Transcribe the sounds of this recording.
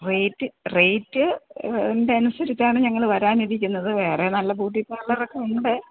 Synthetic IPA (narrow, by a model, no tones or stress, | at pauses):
re̞jtːɨre̞jtːɨ | nde̞ɐnusɐɾit͡ɕːaːɳɨɲɐŋːɐɭʋɐɾaːniðik̬ʲːunːɐðɨʋe̞ːre̞nɐlːɐbuːʈːipːaɭːɐrokːeuɳɖɨ